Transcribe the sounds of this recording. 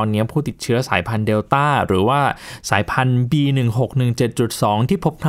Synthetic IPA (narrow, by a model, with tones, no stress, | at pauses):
nːi˦˥ɐpʰuː˥˩t̪i˨˩t͡ɕʰɯ˦˥ɐsaː˩˦jpʰa˧ndeː˧wt̪aː˥˩ɾɯː˩˦waː˥˩sa̰ː˩˦jpʰa˧nbiː˧nɯ˨˩ŋɦo˨˩k̚nɯ˨˩ŋt͡ɕe˨˩t̪̚t͡ɕu˨˩t̪̚sɔː˩˦ŋt̪ʰiː˥˩pʰo˦˥p̚nʰa˥